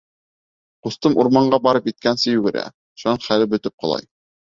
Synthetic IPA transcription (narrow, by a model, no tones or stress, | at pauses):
qust̪ɤmʔuɾmɑɴɢɑbɑɾɤpit̪̚kænsɘjʉɡɘ̆ɾæ̰ | ʃunɤɴχælɘbɵ̆t̪ɘp̚qŏlˠɑ̰j